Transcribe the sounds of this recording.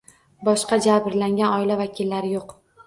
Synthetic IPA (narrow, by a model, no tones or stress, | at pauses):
bɒʃqɑd͡ʒabɾlaŋɡʲanɒɪlavakʲʰɪlːaɾɪjoq